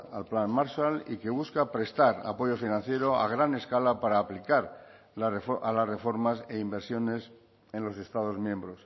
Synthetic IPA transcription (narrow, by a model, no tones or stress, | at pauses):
a̰lplanmaɾʃalḭke̞βuskapɾe̞st̪aɾa̰po̞ʝo̞finãn̟θje̞ɾo̞a̰ɣ̞ɾane̞skalapaɾaːplikaɾ | aalasre̞fo̞ɾmase̞imbe̞ɾsjo̞ne̞s | e̞nlo̞se̞st̪aðo̞zmjẽ̞mbɾo̞s